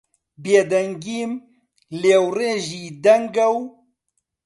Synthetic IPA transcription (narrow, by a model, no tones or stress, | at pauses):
beːd̪ɐŋɡiːm | leːwɾeʒid̪ɐŋɡɐw